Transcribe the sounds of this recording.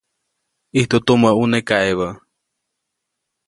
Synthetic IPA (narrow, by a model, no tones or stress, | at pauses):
iht̪ut̪uməʔʔunekaeβə